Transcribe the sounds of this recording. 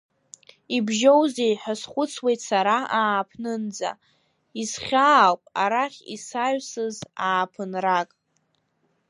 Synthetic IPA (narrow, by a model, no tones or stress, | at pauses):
ibʒowzejħasχʷʊt͡sʰwe̞jtʰsaɾaaːpʰnɨnd͡za̰ | isχʲaːlpʼa̰ɾaχʲḭsaɥsɨzaːpʰɨnrakʼ